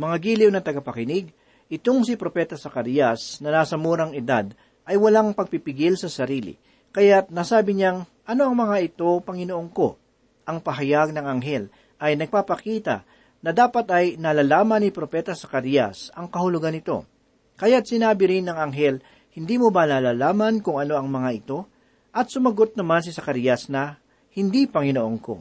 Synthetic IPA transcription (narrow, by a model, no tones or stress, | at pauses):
mɐŋaɡiːlɪwnɐt̪ɐɡɐpɐkɪnɪɡ̚ | ʔɪt̪o̞ŋsɪpɾo̞pɛːt̪ɐsɐkɐɾjɐsnɐnaːsɐmuːɾɐŋɪd̪a̰d̪̚ | ʔɐjwɐlaŋpɐɡ̚pipɪɡɪlsɐsɐɾiːlɪ̰ | kɐjat̪̚nasaːbɪɲaŋ | ʔɐno̞ɐŋmɐŋaʔɪt̪o̞pɐŋɪnoʔoŋko̞̰ | ʔɐŋpɐɦɐjaɡ̚nɐŋɐŋɦɛl | ʔɐjnɐɡ̚papɐkiːt̪ɐ̰ | nɐd̪aːpɐt̪ʔɐjnɐlalaːmɐnːipɾo̞pɛt̪ɐsɐkɐɾijɐ̰sɐŋkɐhʊlʊɡanɪt̪o̞̰ | kɐjat̪̚sɪnaːbɪɾɪnːɐŋɐŋɦɛl | hɪnd̪iːmobɐnalaːlaːmɐnkʊŋɐno̞ʔɐŋmɐŋaʔɪt̪o̞ | ʔɐt̪̚sʊmɐɡo̞t̪̚nɐmans̬ɪsɐkɐɾjɐsnɐ | hɪnd̪ipɐŋɪnoʔo̞ŋko̞̰